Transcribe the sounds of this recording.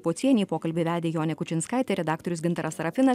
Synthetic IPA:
poːt̪sʲiɛnʲiːpoːkɐlʲbʲeːʋʲæːd̪ʲeːjoːnʲɛkʊt͡ʃʲɪnskɐɪt̪ʲɛɾʲɛd̪ɑːkt̪ɔɾʲʊsɡʲɪnt̪ɐɾɐsɾɐfʲɪnɐ

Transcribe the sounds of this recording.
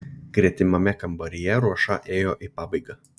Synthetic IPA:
ɡ̥ɾʲiɛt̪ʲɪmɐmʲɛkɐmbɐɾʲɪjɛɾuɔʃɑ̰ʔeːjoːʔiːpɑːbɐɪɡɑː

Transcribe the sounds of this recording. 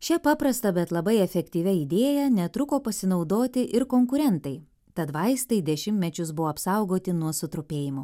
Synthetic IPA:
ʃʲɛpɑːpɾɐst̪ɐbʲɛt̪lˠɐbɐɪɛfʲɛkt̪ʲiːʋʲɛid̪ʲeːjɛnʲɛt̪ɾʊkoːpɐsʲɪnɒʊd̪oːt̪ʲɪʔɪɾkoŋkʊɾʲɛnt̪ɐɪ | t̪ɐt̪ʋɐɪst̪ɐɪd̪ʲɛʃʲɪmʲt̪ʲmʲɛt͡ʃʲʊsbʊʋoːɐpsɐˑʊɡoːt̪ʲɪnuɔsʊt̪ɾʊpʲeːjɪmʊ

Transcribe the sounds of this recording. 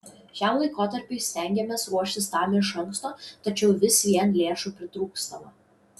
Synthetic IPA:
ʃʲæˑmlˠɐɪkoːt̪ɐɾʲpʲɪɪsʲt̪ʲɛˑŋʲɡʲɛmʲeːsɾuɔʃʲt̪ʲɪst̪ɑːmʲɪʃɐŋˑkst̪oːt̪ɐt͡ʃʲɛʊʋʲɪsʋʲiɛnlʲeːʃuːpʲɾʲɪt̪ɾuːkst̪ɐʋɐ

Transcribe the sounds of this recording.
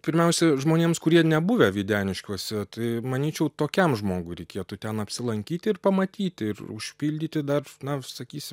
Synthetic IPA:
pʲɪɾʲmʲɛʊsʲɛʒmoːnʲeːmskʊɾʲiɛnʲɛbʊʋʲɛʋʲiːd̪ʲæːnʲɪʃʲkʲuɔsʲɛt̪ɐɪmɐnʲiːt͡ʃʲɛʊt̪oːkʲɛmʒmoːɡʊɪɾʲɛɪkʲiɛt̪ut̪ʲɛnɐpʲsʲɪlˠɐŋʲkʲiːt̪ʲɪɪrpɐmɐt̪ʲiːt̪ʲɪɪrʊ̰ʃʲpʲiːlʲd̪ʲiːt̪ʲɪd̪ɐrnɐsɐkʲiːsʲɪm

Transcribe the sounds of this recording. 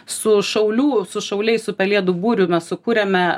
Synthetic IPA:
ssʊʃɐʊlʲuːsʊʃɐʊlʲɛɪssʊpʲɛlʲiɛd̪uːbuːɾʲʊmʲɛssʊkuːɾʲɛmʲɛ

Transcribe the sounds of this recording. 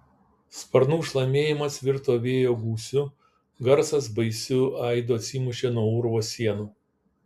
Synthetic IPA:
spɐɾnuːʃlˠɐmʲeːjɪmɐsʋʲɪɾt̪oːʋʲeːjoːɡuːsʲʊ | ɡɐɾsɐs̬bɐɪsʲʊɐɪd̪oːɐt̪sʲimʊʃʲeːnuɔʊɾʋoːsʲiɛnuː

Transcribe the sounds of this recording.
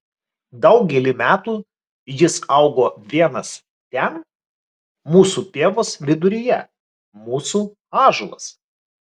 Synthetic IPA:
d̪ɐʊɡʲɛlʲɪmʲæːt̪uː | jɪsɐʊɡoːʋʲiɛnɐs | t̪ʲɛn | muːsuːt̪ʲeːʋoːslʲɪd̪ʊɾʲɪjɛ̰ | muːsuː | ɑːʒʊlˠɐ̰s

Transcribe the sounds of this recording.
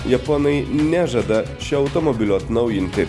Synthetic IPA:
jɐpɔnɐɪnʲæʒɐd̪ɐ | ʃʲɛɐʊt̪ɔmɔbʲɪlʲuɐt̪nɐʊjɪnʲt̪ʲɪ

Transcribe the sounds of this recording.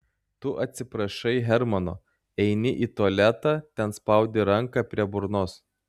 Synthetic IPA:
t̪ʊʔɐt̪ʲsʲɪpɾɐʃɐɪɦʲɛɾmɐno̰ː | ɛɪnʲɪʔiːt̪uɔlʲæt̪ɑːt̪ʲɛnspɐˑʊd̪ʲeɾɐŋkɑpʲɾʲiɛbʊɾnoːs

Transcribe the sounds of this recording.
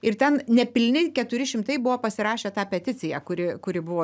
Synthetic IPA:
ɪɾt̪ʲɛnnʲɛpʲɪlʲnʲɪkʲɛt̪ʊɾʲɪʃʲɪmt̪ɐɪbʊʋoːpɐsʲɪɾɑːʃʲeːt̪ɑːpʲɛt̪ʲɪt͡s̪ʲɪjɛːkʊɾʲɪkʊɾʲɪbʊʋoː

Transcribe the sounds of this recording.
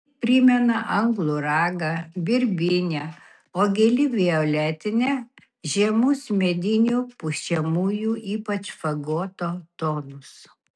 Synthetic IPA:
pʲɾʲɪmʲɛnɐʔɐŋɡlˠʊɾɑːɡɐbʲɪɾʲbʲɪnʲɛ | oːɡʲelʲɪbʲioːlʲæːt̪ʲɪnʲɛ | ʒʲiɛmʊsmʲɛd̪ʲɪnʲuːpʊʃʲɛmuːjuːʔiːpɐt͡ʃfɐɡoːt̪oːt̪oːnʊs

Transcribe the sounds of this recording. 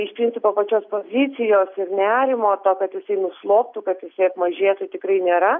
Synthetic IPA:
ɪʃpʲɾʲɪnʲt͡sʲɪpoːpɐt͡ʃʲoːspoːzʲit͡s̪ʲɪjoːsɪrnʲæːɾʲɪmoːt̪oːkɐt̪jɪsɐɪnʊslˠoːpt̪ʊkɐt̪jɪsɐɪɐpmɐʒʲeːt̪ʊtʲɪkɾɐɪnʲeːɾɐ

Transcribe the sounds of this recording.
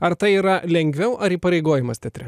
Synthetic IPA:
ɐɾt̪ɐɪiːɾɐlʲɛŋʲɡʲʋʲɛʊʔɐɾiːpɐɾʲɛɪɡoːjɪmɐst̪ʲɛt̪ʲɾʲɪ

